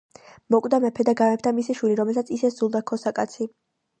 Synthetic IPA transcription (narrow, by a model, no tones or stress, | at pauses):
mɔkʼd̪amɛpʰɛd̪aɡamɛp̚t̪ʰanmisiʃwiliɾɔmɛlˠsat̪sʰisɛszulˠd̪akʰɔsakʼat̪sʰi